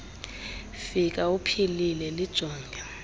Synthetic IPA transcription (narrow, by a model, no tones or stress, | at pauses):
fikʼaupʰililɛlid̥ʒ̥ʱɔːŋɡʱa